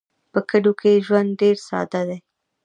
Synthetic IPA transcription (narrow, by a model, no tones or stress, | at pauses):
pəkəɖokeʒwand̪ɖeɾsɑ̰d̪ad̪e